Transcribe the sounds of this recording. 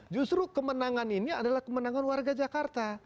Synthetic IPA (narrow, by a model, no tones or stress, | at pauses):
d͡ʒust̪ɾukəmənaŋaniniadalahkəmənaŋanwarɡad͡ʒakart̪a